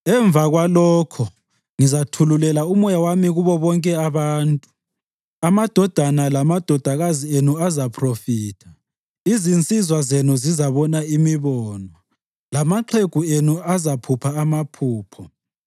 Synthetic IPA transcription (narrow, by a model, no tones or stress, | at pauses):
ɛɱvʱaɣwalɔːkʰɔ | ŋizatʰululɛlaumɔjawamiɣuβɔβɔŋkʼɛaβaːntʼu | amad̥ʱɔd̥ʱanalamad̥ʱɔd̥ʱaɣazienuazapʰrofiːtʰḁ | izint͡sʼizwazenuzizaβɔnaimiβɔːnɔ | lamaǃʰeɡ̥ʱuenuazapʰupʰaːmapʰuːpʰɔ